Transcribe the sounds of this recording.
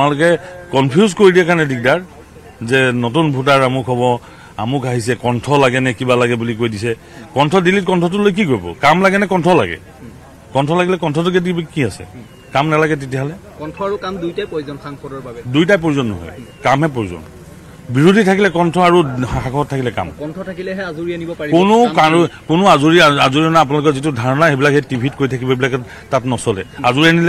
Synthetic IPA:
analʊkɛkɔnpʰjuzkoɹidiɛkaɹnɛdik̚daɹ | zɛnotunbʱut̬aɹamukʰɦɔbɔ | amukaɦisɛkɔntʰɔlaɡɛnɛkibalaɡɛbulikojdisɛ | kɔntʰɔdilit̚kɔntʰɔtʊlojk̬ikoɹjbɔ̰kamlaɡɛnɛkɔntʰɔla̰ɡɛ̰ | kɔntʰɔlaɡilɛkɔntʰɔtʊkedibikiasɛ̰ | kamnalaɡɛt̬etijaɦɔlɛ | kɔntʰɔaɹukamdujtajpojzɔnsaŋpʰɔdɔɹbabɛdujtajp̬oɹizɔnːɔ̰ɦɔ̰jkamɦɛpoɹizɔ̰n | biɹodʱitʰakilɛkɔntʰɔaɹuxakʰɔɔtʰːakilɛka̰mkɔntʰɔtʰakilɛɦɛazuɹianibɔpaɹikʊnʊkakʊnʊazuɹiaazuɹiɔnaap̬ʊnalʊkɛzitʊdʱaɹɔnaxebilakhetibʱitkoɹitʰakibɔbilakɛ | tatnɔsɔlɛ̰azuɹianilɛ

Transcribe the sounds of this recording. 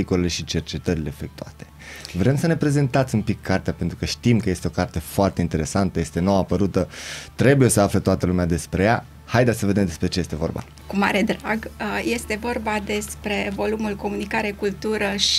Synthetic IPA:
ikolele̞ʃit͡ʃe̞rt͡ʃe̞t̪əɾile̞ːfek̚t̪ua̰t̪e̥ | vɾe̞msəne̞pɾe̞ze̞nt̪at̪sʲumpikʰːart̪eapent̪ɾukəʃt̪imkəje̞st̪eo̞kart̪e̞foart̪e̞int̪e̞ɾe̞sant̪əjest̪e̞noapəɾut̪ət̪ɾe̞buje̞səaflət̪oat̪əlumead̪e̞spɾe̞ja | hajd̪esəved̪e̞md̪e̞spɾe̞t͡ʃeje̞st̪e̞vo̞̰rba̰ | kuma̰ɾe̞d̪ɾaɡje̞st̪e̞vo̞rbad̪e̞spɾe̞vo̞lumulko̞munikaɾekult̪uɾəʃ

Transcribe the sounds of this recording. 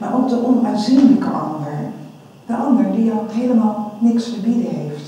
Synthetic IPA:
ma̰ɹʔok̚dəʔɔnʋaːzinləkəʔɑ̰ndəɹ | d̥əʔɑndəɹdiokɦejləmaːlˠnɪksfəɹbidəheft

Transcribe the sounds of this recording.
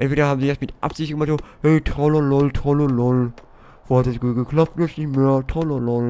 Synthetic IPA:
ʔɛ̃ntveːɾɐɦaːbm̩ziːasmɪtʔa̰pz̥ɪçtɡəmaχtzohɛɪtʰʁɔlolɔltʰɔlolɔl | voːhatd̥asɡ̥uːt̚ɡ̥əklap̚tnɛsnɪçtmeːɐtʰɔlolɔl

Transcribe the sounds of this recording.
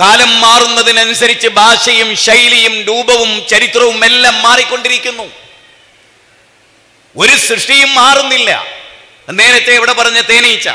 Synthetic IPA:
kaːlɐmːaːrunːɐðinɐnusɐɾit͡ɕːɨbʱaːʂɐjumɕɐjlɐjumduːbɐʋumt͡ɕɐɾit̪rɐʋumelːaːmːaːrikʲːo̞ɳɖiɾikʲːunːu | o̞ɾusrɨʂʈijumːaːrunːilːɐ̰ | ɐnːeːnɐt̪ːeːʋiɽepɐrɐɲːɐt̪e̞ːnɐjit͡ɕːa̰

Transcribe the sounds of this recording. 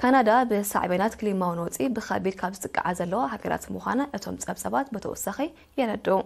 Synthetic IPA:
kʰanad̪abɨsa̰ʕβɐnat̪kʰɨlimawɨnwɔt͡sʼibɨxa̰bied̪kʰaβzɨt̪ʼɨkʼːa̰ʕazɐlːɐwaɦaɡɐɾa̰t̪muxʷa̰nɐʔɨt̪ʰo̞̰mt͡sʼɐβsʼɐβat̪bɨt̪ʰɐ̰wɔ̰sɐxi | jɛɾɐd̪ːɐu

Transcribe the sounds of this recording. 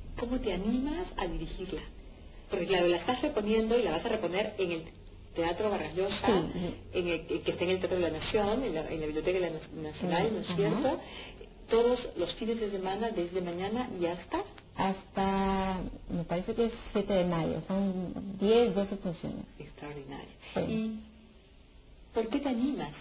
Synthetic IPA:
ko̞mo̞t̪e̞anĩmasa̰ðiɾixiɾla | po̞ɾkeklaɾo̞laest̪asre̞po̞nje̞nd̪o̞ilaβasare̞po̞ne̞ɾeŋe̞l | t̪eat̪ɾo̞βaraʝo̞saisḭeŋekest̪aeŋelt̪eat̪ɾoðelanasjonenlaʔḛnlaβiβljot̪ekaðelanasjonalnosjeɾat̪o | t̪o̞ðoslosfinezðes̬e̞manaðe̞zðe̞maɲanaiast̪a | ast̪a | me̞paɾe̞se̞keessje̞t̪eðe̞maʝo̰so̞nd̪je̞sðo̞sefunsjo̰nḛsekst̪ɾaoɾðina̰ɾjosḭi | po̞ɾke̞t̪eanimas

